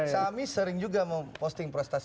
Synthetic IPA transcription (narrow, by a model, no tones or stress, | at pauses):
samisəɾɪŋd͡ʒuɡaməmpɔst̪ɪŋpɾɔst̪as